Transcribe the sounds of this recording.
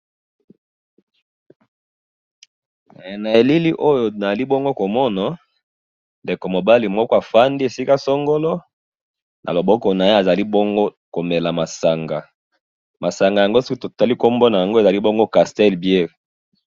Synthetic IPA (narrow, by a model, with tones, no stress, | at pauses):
na˨e˨li˦li˦ʔo˦jo˨na˨za˨li˦bɔ˦ŋɡo˦ko˨mɔ˦na˨ | nde˨ko˨mo˨ba˦li˨mɔ˦kɔ˦a˨fa˦ndi˦e˨si˦ka˦so˦ŋɡo˦lɔ˦ | nʔa̰˨lo˨bɔ˦kɔ˨na˨je˦a˨za˨li˦bo˦ŋɡo˦ | ko˨me˨la˨ma˨sa˨ŋɡa˨ | ma˨sa˨ŋɡa˨ja˨ŋɡo˦so˦ki˦to˨ta˦li˦ko˦mbo˦na˨ja˨ŋɡo˦e˨za˨li˦bɔ˦ŋɡo˦ka˨stɛ˦lbje˦˨ʁ